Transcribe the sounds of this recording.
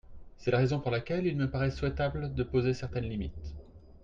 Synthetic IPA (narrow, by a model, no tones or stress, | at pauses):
sɛlaʁezɔ̃puʁlakʲɛlilməpaʁɛswɛt̪abld̪əpozesɛʁt̪ɛnlimit̪